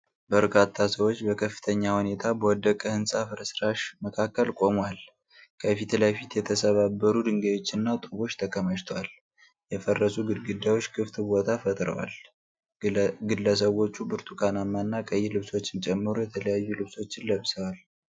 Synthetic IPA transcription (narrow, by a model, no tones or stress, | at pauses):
bəɾkʼat̪ʰːasəwo̞t͡ʃːbəkʰəfːɨ̥t̪ʰəɲːahune̞t̪ʰabəwɔd̪ːəkʼəhɨnsʼafɨɾəsɾaʃməkʰakːəlkʼo̞mwal | kʰəfit̪ləfit̪jɛt̪ʰəsəβabːəɾud̪ɨŋɡeo̞t͡ʃːɪnːat̪ʼɨβo̞t͡ʃːt̪ʰəkʰʼːəməʃt̪ʰwal | jɛfərːəsuɡɨd̪ɡɨd̪ːawot͡ʃːkʰɨft̪bo̞t̪ʰafət̪ʼɾə̰wa̰l | ɡɨlːəs̬əwo̞t͡ʃːubɨɾt̪ʰukʰanamːanːakʼəjːɪlɨβso̞t͡ʃːɪnt͡ʃʼɛmːɨɾujɛt̪ʰələjajːulɨβso̞t͡ʃːɪnləβsəwal